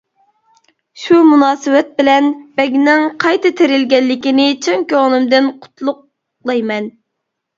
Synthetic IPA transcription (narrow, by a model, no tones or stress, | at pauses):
ʃumunɑːsɨwɛt̪̚bɪlɛnb̥ɛɡʲnɪŋqʰɑjt̪ʰɨt̪ʰeɾɪlɡʲɛlːɪkʲinɪt͡ʃʰɨŋkʲøʁnɪmd̪ɪnqʰʊ̥t̪ʰlˠʊq̚ | lˠɑjmɛn